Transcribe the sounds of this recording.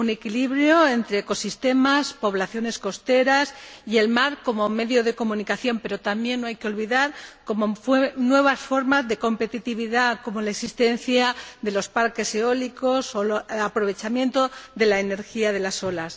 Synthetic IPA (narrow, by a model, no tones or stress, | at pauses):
une̞kiliβɾjoe̞nt̪ɾe̞ːko̞sist̪e̞maspo̞β̞laθjo̞ne̞sko̞st̪e̞ɾasie̞lmaɾko̞mo̞me̞ðjo̞ð̞e̞ko̞mũnikaθjo̞mpe̞ɾo̞t̪ambje̞nːoajkeo̞lβiðaɾko̞mofnwe̞β̞asfo̞ɾmazðe̞ko̞mpe̞t̪it̪iβ̞iðako̞mo̞laeksist̪e̞n̟θjaðe̞lo̞spaɾke̞se̞o̞liko̞so̞apɾo̞β̞e̞t͡ʃamjẽ̞nt̪o̞ðe̞laene̞ɾxiað̞e̞laso̞las